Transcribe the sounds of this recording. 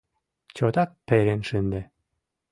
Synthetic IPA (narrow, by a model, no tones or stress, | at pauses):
t͡ɕot̪ɑk̚peɾenʃɨnd̪ĕ